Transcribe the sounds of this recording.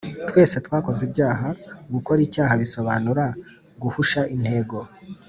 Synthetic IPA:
twe̞ːse̞twaːko̞zibɟaːɦaɡuko̞ɾiːcaːɦaβiso̞βanuɾa | ɡuhuʃaʔin̥he̞ːɡo̞

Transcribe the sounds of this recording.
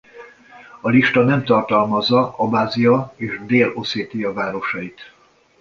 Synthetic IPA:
ɒliʃt̪ɒnɛmt̪ɒrt̪ɒlmɒzːɒɒbaːzijɒeːʒd̪eːlo̞seːt̪iɒvaːɾo̞ʃɒit̪

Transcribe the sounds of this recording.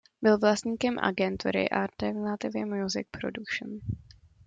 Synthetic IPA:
bɪlvlast̪ɲiːkɛmʔa̰ɡɛnt̪ṵɾɪ̰ʔalt̪ɛɾnat̪ɪvɪmjuzɪk̚pɾodukʃn

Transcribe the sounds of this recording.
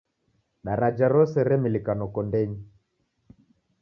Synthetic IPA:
ɗaɾad͡ʒaɾɔsɛɾɛmilikanɔkɔndɛɲi

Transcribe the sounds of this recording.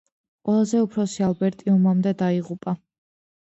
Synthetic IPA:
qʼwɛlˠazɛupʰɾɔsialˠbɛɾt̪ʼiumamd̪ɛd̪aiʁupʼa

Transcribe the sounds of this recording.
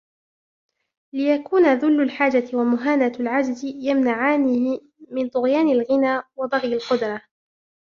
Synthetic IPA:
lɪjakuːnaðʊlːʊlħaːd͡ʒat̪ɪwamʊɦaːnalʕad͡ʒzɪjamnaʕaːn | mɪnt̪ˤʊɣjaːnɪlɣɪnaːwɑb̪ˤɑɣjalqʊd̪ɾˤɑ

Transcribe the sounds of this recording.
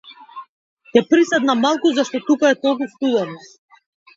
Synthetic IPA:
t̪ɛpɾisɛd̪namalˠkuzaʃt̪ɔt̪ukaɛt̪ɔlˠk̬ust̪ud̪ɛɾnɔ

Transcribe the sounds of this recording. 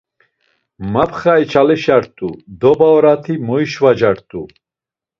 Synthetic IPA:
mapʰχait͡ʃʰalɛʃaɾt̪ʼud̪ɔbaɔɾat̪ʰimɔiʃvad͡ʒaɾt̪ʼṵ

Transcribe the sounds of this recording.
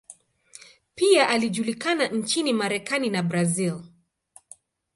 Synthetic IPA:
piaʔaliʄulikanan̩t͡ʃinimaɾɛkaninabɾazil

